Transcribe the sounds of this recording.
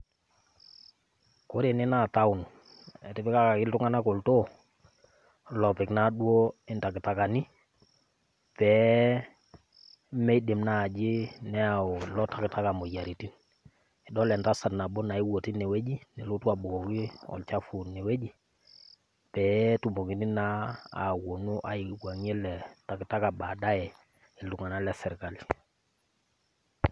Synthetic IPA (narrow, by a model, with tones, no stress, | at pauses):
ko˦ɾe˨nɪ˦na˦˨ta˦ʊ˨n | ɛ˨tɪ˦bɪ˦ka˦ka˨kɪ˦ltʊ˦ŋa˦na˦ko˨lto˦ | lɔ˨pɪ˨kna˦ɗwo˦ɪ˨nta˨kɪ˨ta˨ka˨ni˦ | pɛ˨˦ | mɛ˦i˦de˨mna˦˨d͡ʒɪ˦nɛ˦a˨o˨lɔ˦ta˦kɪ˨ta˦ka˨mo˨ja˨ɾi˨ti˦n | ɛ˨dɔ˦lɛ˨nta˦sa˨na˨bɔ˦na˨i˦wo˨ti˦nɛ˨we˦d͡ʒi˦nɛ˨lu˦tu˦a˨bo˨kɔ˨ki˦ɔ̰˨lt͡ʃa˦fu˨nɛ˨we˦d͡ʒi˦ | pɛ˨˦tu˨mo˨ki˨ni˦na˦a̰˨wo˨nu˦ʔa˨i˨wa˨ŋɛ˦lɛ˨ta˨kɪ˨ta˦ka˨ba˨da˦ɛ˨ | ɪ˨lu˨ŋa˨na˦lɛ˦sɛ˨ɾka˨li˨